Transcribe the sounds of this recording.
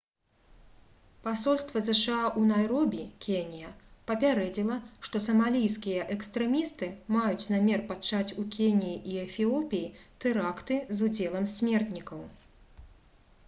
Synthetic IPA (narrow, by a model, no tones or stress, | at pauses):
pasɔlʲst̪vɐzɛʂɨaʔunajɾɔbʲikʲenʲijɐpɐpʲaɾɛd͡zʲilˠɐʂt̪ɔsɐmalʲijskʲijɐʔɛkst̪ɾɛmʲist̪ɨmajut͡sʲnamʲɛrpat͡ʂat͡sʲukʲenʲijiʔiɛfʲiɔpʲijit̪ɛɾakt̪ɨzud͡zʲɛlˠɐmsʲmʲɛrt̪nʲikɐw